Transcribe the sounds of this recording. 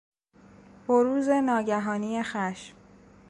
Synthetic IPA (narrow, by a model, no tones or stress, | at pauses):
boɾuːze̞nɒːɟæɦɒːnije̞xæʃm